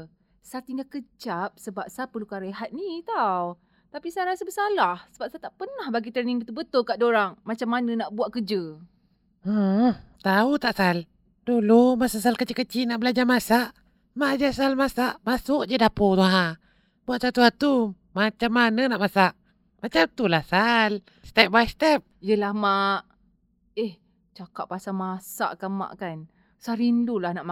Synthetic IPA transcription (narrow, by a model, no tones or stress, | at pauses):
sat̪iŋakət͡ʃap̚səbap̚sapərlukaɾəɦat̪̚nit̪aw | t̪apisajɾasabəsalahsəbap̚sat̪aʔpərnahbaɡit̪əniŋbət̪ubət̪ʊlkaʔdoɾaŋmat͡ʃamːanə̃naʔbuaʔkəd͡ʒə | t̪aut̪aʔsal | dulumasasalkət͡ʃikːət͡ʃiʔnaʔbəlad͡ʒamasaʔ | maʔad͡ʒasalmasaʔmasʊʔd͡ʒədapot̪uɦa | buaʔsat̪uhat̪u | mat͡ʃamːanənaʔmasaʔ | mat͡ʃamt̪ulahsal | st̪ɛp̚baist̪ɛp̚jəlahmaʔ | eh | t͡ʃakaʔpasamasa̰ʔkama̰ʔkan | saɾindulahnaʔ